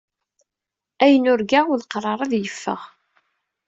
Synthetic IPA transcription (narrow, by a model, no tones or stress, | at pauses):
æjənʊɾɡaʊlqrˤɑɾˤɑðjəfːə̰ʁ